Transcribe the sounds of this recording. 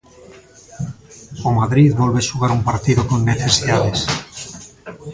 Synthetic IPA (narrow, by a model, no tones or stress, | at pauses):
omaðɾiðβɔlβeʃuɣaɾumpaɾt̪iðokonːeθesiðaðes